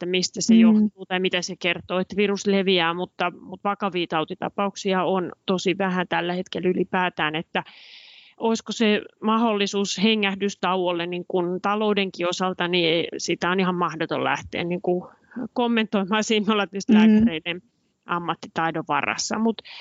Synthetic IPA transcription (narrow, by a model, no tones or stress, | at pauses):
et̪ːæmist̪æsejoht̪uːt̪ɑimit̪æsekert̪oːet̪ːæʋirusleʋiæːmut̪ːɑmut̪ʋɑkɑʋiːt̪ɑut̪it̪ɑ̰pɑuksiɑont̪osiʋæhæt̪ælːæhet̪kelːylipæːt̪æːnet̪ːæ | ʔoiskosemɑholːisuːsheŋːæhdyst̪ɑuwolːenniŋkunt̪ɑloudeŋkiosɑlt̪ɑniesit̪æonihɑmmɑhdot̪o̰llæ̰ht̪ḛːnniŋku | komːent̪oimɑːsiːnːolːɑt̪yst̪lækːæreinen | ʔɑmːɑt̪ːit̪ɑidoʋɑ̰rɑ̰sːɑ̰mut̪